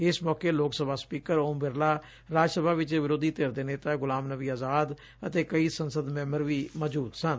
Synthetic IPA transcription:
ɪsmɔːkeːloːksəbʱaːspiːkəɾoːmbɪɾlaː | ɾaːd͡ʒsəbʱaːʋɪt͡ʃːʋɪɾoːd̪iːt̪eːɾd̪eːneːt̪aːɡʊlaːmnəʋiːaːzaːd̪ | ə̰t̪eːkəiːsənsəd̪mɛ̃ːməɾʋiːməd͡ʒuːt̪sən

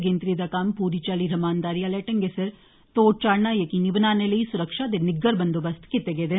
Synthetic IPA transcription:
ɡẽːnt̪ɾid̪akaːmpuːɾit͡ʃaːliɾɐmaːnd̪aːɾijaleːʈɐŋɡesɐɾ | t̪oːʈ̚t͡ʃaːɽnajɐkinibnaːnelɐisʊɾəkʃaːd̪enɪɡːəɾbɐnd̪obɐst̪ʰkɪt̪ːeɡeːd̪e

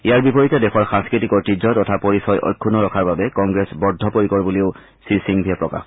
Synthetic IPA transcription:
iaɹbipoɹitɛdɛxɔɹxãŋskɹitikɔɹtizɔtɔtʰapoɹisɔjʔɔ̰jkʰːunɔɹɔkʰaɹbabɛkɔŋɡɹɛsbɔɹdʱːɔpoɹikɔɹbuliʊ | sisiŋbʱiɛpɹɔka̰x

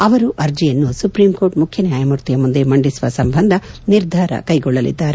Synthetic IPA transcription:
ɐʋɐɾuʔɐɾd͡ʒijɐnːusupɾiːmko̞ːɾʈmukʰjɐnjaːjɐmuɾt̪ijɐmund̪emɐɳɖisuʋɐsɐmbʱɐnd̪ʱɐniɾd̪ʱaːɾɐ̰kɐjɡɔɭːɐlḭd̪ːaːɾe

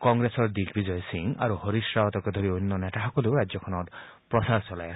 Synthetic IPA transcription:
kɔŋɡɾesɔɾd̪ikʰbid͡ʒɔjɔsiŋa̰ɾuhɔɾiʃɾaɦɔt̪ɔkɔd̪ʱoɾionːɔneʈaɦɔkɔluɾad͡ʒjɔkʰɔnɔt̪ | pɾɔsaɾt͡ʃɔlaj

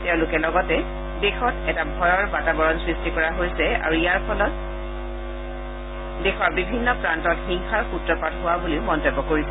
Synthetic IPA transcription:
teʊ̃lʊkɛlɔɡɔtɛ | dexɔtɛtabʱɔɹɔɹbatabɔɹɔnsɹistikɔɹaɦojsɛa̰ɹuijaɹpʰɔlɔt̚ | dexʰɔɹbibʱinːɔpɹantɔtxiŋxaɹkutɹɔpatɦʊwabuliʊmɔntobːɔkoɹis

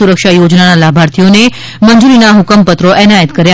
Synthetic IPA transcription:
uɾəkʃajod͡ʒnanalabʱaɾt̪ʰijone | mənd͡ʒuɾinaɦʊkəmpət̪ɾoʔɛnajət̪kəɾja

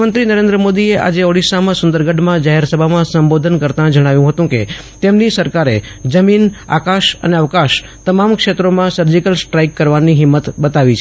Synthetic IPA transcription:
mənt̪ɾinəɾẽnd̪ɾəmod̪ieʔa̰d͡ʒeoɽisamãsʊ̃nd̪əɾɡəɖmãd͡ʒaɦeɾsəbʱamãsəmbod̪ʱənkəɾt̪ãd͡ʒəɽ̃aʋjũɦət̪ũket̪emnisəɾkaɾḛd͡ʒəmina̰kaʃə̰neəʋkaʃ | t̪əmamkʃet̪ɾomãsəɾd͡ʒikəlsʈɾaikːəɾʋaniɦɪmːət̪bət̪aʋit͡ʃʰ

